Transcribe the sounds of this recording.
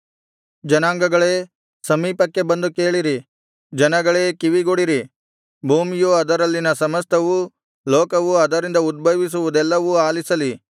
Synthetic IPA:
d͡ʒɐnaːŋɡɐɡɐɭeː | sɐmiːpɐkːe̞bɐnd̪ukeːɭiɾi | d͡ʒɐnɐɡɐɭeːkiʋiɡoɽiɾi | bʱuːmijoɐd̪ɐɾɐlːinɐsɐmɐst̪ʰɐʋu | loːkɐʋuɐd̪ɐɾind̪ɐud̪̚bɐʋis̬uʋud̪ɛlːɐʋuaːlisɐli

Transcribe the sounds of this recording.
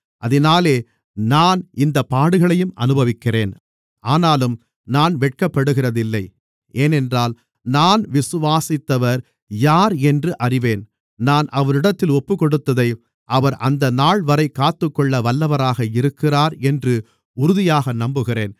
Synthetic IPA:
ʔɐðɐnaːleː | naːnʔɪnd̪ɐpːaːɽɯɣɐɭɐjɯmʔɐ̰nɯbɐʋɪkːɪreːn | ʔaːnaːlɯm | naːnʋɛʈ̚kɐpːɐɽɯɣɪrɐðɪlːɐɪ | ʔeːnɛndraːl | naːnʋɪsɯʋaːsɪt̪ːɐʋɐɾ | jaːɾɛndrɯʔɐrɪʋeːn | naːnʔɐʋɐɾɪɽɐt̪ːɪlɔpːɯkːɔɽɯt̪ːɐðɐɪ | ʔɐʋɐɾʔɐnd̪ɐnaːɭʋɐɾɐɪkːaːt̪ːɯkːɔɭːɐʋɐlːɐʋɐɾaːɣɐɪɾɯkːɪraːɾɛndrɯ | ʊɾʊðɪjaːɣɐnɐmbɯɣɪreːn

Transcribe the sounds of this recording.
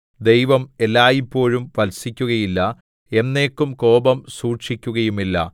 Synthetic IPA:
d̪ejʋɐme̞lːaːjipːo̞ːɻumʋɐlsikʲːuɣɐjilːɐ | e̞nːe̞ːkːumko̞ːbɐmsuːrʂikʲːuɣɐjumilːɐ̰

